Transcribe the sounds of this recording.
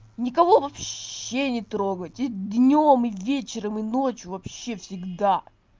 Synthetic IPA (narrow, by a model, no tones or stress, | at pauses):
nʲɪkɐvo̞vɐpɕːenʲɪt̪ɾo̞ɡətʲɪd̪nʲomɨvʲet͡ɕɪɾəmɨno̞t͡ɕjʊvɐpɕːe̞fsʲɪɡd̪a